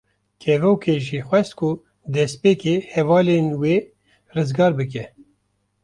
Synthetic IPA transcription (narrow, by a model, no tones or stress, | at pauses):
kʰɛvowkʰeːʒiːxʷwɛst̪kʰʊ | d̪ɛspeːkeːhɛvɑːlenweː | rɨzɡɑːɾbɨk̬ɛ